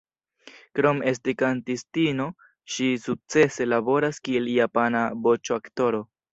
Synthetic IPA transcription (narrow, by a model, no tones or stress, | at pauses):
kɾo̞me̞stikantistino̞ | ʃisuk̚t͡se̞se̞labo̞ɾaskie̞ljapanabot͡ʃoakto̞ɾo̞